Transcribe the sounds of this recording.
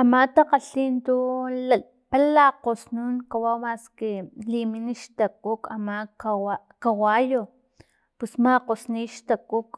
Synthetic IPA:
amat̪aqaɬint̪ula | palaqosnunkawawmaskeliminiʃt̪akukamakawa | kawajo | pusmaqosniʃt̪akuk

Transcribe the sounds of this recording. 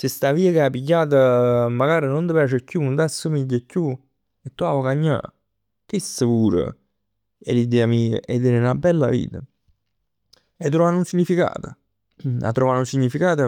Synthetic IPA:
sɪst̪aviːəkeapːiɡːaːt̪əmːaɡaːɾinond̪əpjaːt͡ʃɪkjunt̪ɛsːomiɟːəkju | et̪ːuavokaɲːa̰ | kesəkuːɾə̰ | ɛ̰lːid̪ɛːamiːə̰ʔɛd̪eɾenabɛlːa̰vḭːt̪ə | ɛt̪ːɾɔanunsiɲːifika̰ːt̪ə | a̰t̪ːɾɔːvanunsiɲːifikaːt̪ə

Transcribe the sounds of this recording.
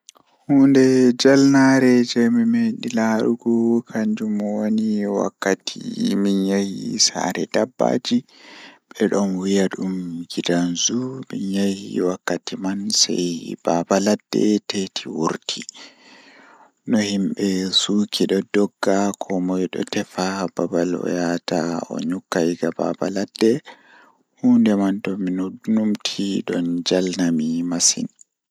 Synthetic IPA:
hundɛd͡ʒalnaɾɛd͡ʒɛmimeɗilaɾuɡɔkʰaɲd͡ʒumɔwoniwa̰kːatʰimiɲahḭsa̰ːɾɛdabːa̰ːd͡ʒiɓɛɗɔnwijaɗumɡidanzumiɲahḭwakːatimansa̰jb̥abaladːɛ̰tetʰiwuɾtʰi | nɔhimɓɛsuːkʰiɗɔdɔɡːakʰɔmɔjɗɔ̰tɛfababalɔ̰jataɔ̰ɲukːajɡaba̰ba̰ladːɛ | huːndɛmantɔminudnumtʰiɗɔnd͡ʒalnamimasḭn

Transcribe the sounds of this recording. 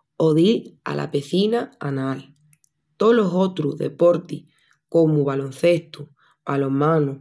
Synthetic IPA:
oðia̰lʔa̰peθinaanal | t̪oloso̞t̪ɾuðḛpo̞ɾt̪i | ko̞muβalo̞n̟θe̞st̪u | balo̞mãnu

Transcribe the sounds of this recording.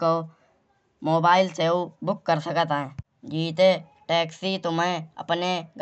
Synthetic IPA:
o | moːbaːɪlseubʊkːəɾsəkt̪aɦɛ̃ | d͡ʒiːt̪e | ʈɛːksit̪omɛ̃ə̰pneɡ

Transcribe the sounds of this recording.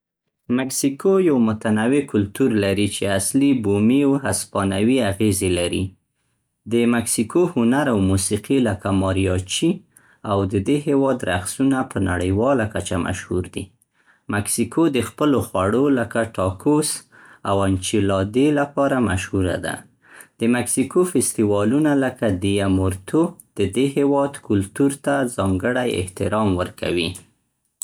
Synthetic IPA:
mɪksikojawmʊt̪anawekʊlt̪uɾlaɾit͡ʃeaslibomiwɦaspɑnawiaɣezelaɾḭ | d̪əmaksikohʊnaɾawmusiqiləkamɑɾjɑt͡ʃi | awd̪əd̪eɦewɑd̪ɾaxsunapəna̰ɽəjwɑlakat͡ʃama̰ʃhuɾd̪i | maksikʰod̪əxpəloxwaɽoləkaʈɑkos | awant͡ʃilɑd̪elapɑɾamaʃhuɾa̰d̪a̰ | d̪̥əmaksikofɪst̪iwɑlunaləkad̪ijamʊɾt̪od̪̥əd̪ehewɑd̪kʊlt̪uɾt̪azɑŋɡəɽajɪ̰ht̪ɪɾɑmwəɾka̰wi

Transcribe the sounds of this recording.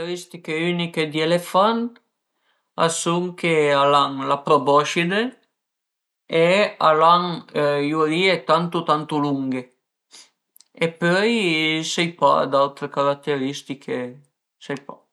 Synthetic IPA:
eɾist̪ikeyniked̪ielefant̪ | a̰suŋkealaŋlapɾobɔʃid̪e | ealaŋjuɾiet̪ant̪ut̪ant̪uluŋɡe | epœjsɛjpa̰d̪alt̪ɾekaɾat̪ːeɾist̪ikʰe | sɛjpa̰

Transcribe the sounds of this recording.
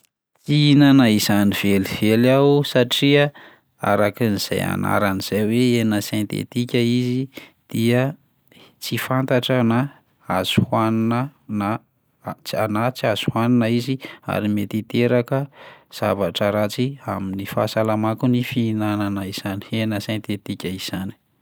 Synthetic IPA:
fiinanaizaniv̥elivelawsaʈ͡ʂia | a̰ɾakiniz̥a̰ja̰na̰ɾaniz̥ajweenəsẽnt̪ḛt̪ikʲəizid̪̥iə | t͡sifant̪aʈ͡ʂəna | az̥uhannəna | anat͡siaz̥uhwaninəizia̰ɾimet̪it̪eɾakəz̥avaʈ͡ʂəɾat͡siaminifa̰salamakunifinananəiz̥ani̥enəsẽnt̪et̪ikʲəiz̥ani̥

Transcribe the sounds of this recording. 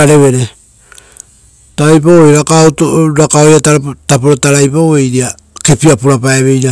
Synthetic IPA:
aɾe̞βe̞ɾe̞ | taɾajp̬awojɾakautoɾakaojatatapoɾotaɾajpawejɾia | ke̞piapuɾapaeβe̞jɾa

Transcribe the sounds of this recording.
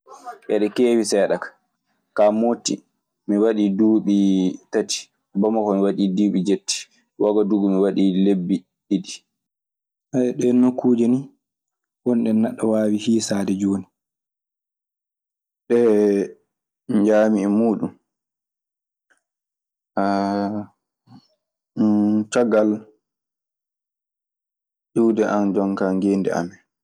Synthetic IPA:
ʔɛɗɛkeːwisɛːɗakḁ | kamotːḭ | miwaɗiduːɓitati̥ | bɔmakɔmiwaɗiduːɓid͡ʒetːi̥ | waɡɔduɡɔmiwaɗilebːi | ɗiɗi | ʔaʔɛɗɛnokːuːd͡ʒeni | wɔnɗɛnːaɗːɔwaːwihiːsaːdɛd͡ʒoːni | ɗɛ | ɲd͡ʒaːmiɛmuːɗum | ʔa | t͡ʃɔɡal | ɗuwdɛʔand͡ʒɔŋkaːŋɡeːndɛ̰a̰mɛ

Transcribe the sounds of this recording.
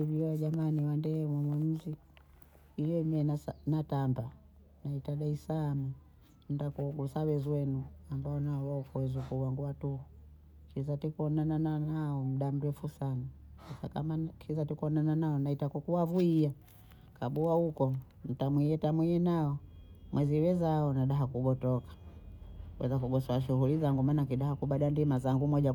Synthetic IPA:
iviaʄamaniwandɛmɔmwɛm̩zi | ijɛmɛnanatamba | naitaɗaisaːmu | n̩dakuɡusawɛzwɛnuambaɔnaɔwaɔkuwɛzukuwaŋɡuwatuhu | kizatikɔnanananaɔm̩ɗam̩ɾɛfusanasasakamakizatikɔnananaɔnaitakukuwavuia | kaɓuahukɔ | n̩tamwiɛtamwiɛnaɔmwʔɛziwɛzaɔnaɗaɦakuɡɔtɔkḁ | wʔɛ̰zakuɡɔsɔaʃ̬uhulizaŋɡumaːnakiɗahakuɓaɗandimazaŋɡumɔʄa

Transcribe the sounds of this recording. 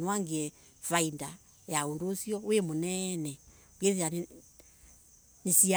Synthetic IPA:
nwaŋɡeɛ | fainda | jaondosijɔwemonɛnɛ | ukeθia | nisia

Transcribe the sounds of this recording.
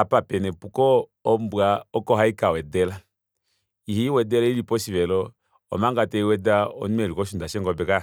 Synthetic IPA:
apapɛnɛpukɔː | mbwaɔkɔɦaikawɛdɛla | ihiwɛdɛlailipɔsiʋɛlɔ | ɔ̰maŋɡatɛiwɛdaɔ̰numɛlikɔʃundaʃɛŋɡɔbɛka

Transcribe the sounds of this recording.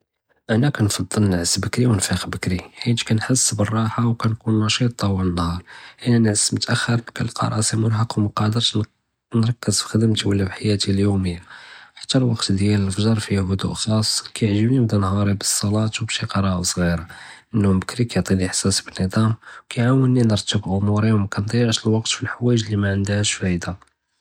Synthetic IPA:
ʔænækænfɑd̪ˤːəlnəʕəsbəkɾiwənfixbəkɾiħint̪kænħəsːbərˤːɑħawkænkunːɑʃit̪ˤːɑwələnhɑɾˤʔənænəʕəsmʊt̪ʔæxːəɾkælqɑ̰ɾˤʔɑsiməɾɦɑqwməqɑʕd̪əɾt̪ | nɾˤɑkːəzfi̥xəd̪əmt̪wəlːæbħajæt̪iljuməjːaħḁt̪ːælwɑqt̪d̪jæləlfʒɑɾˤfihʊd̪ṵʔxɑsˤːkæjəʕʒəbnimd̪ænɦɑɾˤibəsˤːɑlɑt̪wbæʃiqɑɾˤɑʔsˤɣiɾaʔənːʊmbəkɾikæjʕt̪ˤiliħsæsbənid̪ˤɑmwkæjʕawəlninəɾˤt̪ːəbʔʊmuɾiwmækænt̪ˤjəʕʃəlwɑqt̪filħwæjəʒlimæʕənd̪æhæʃfæjd̪a

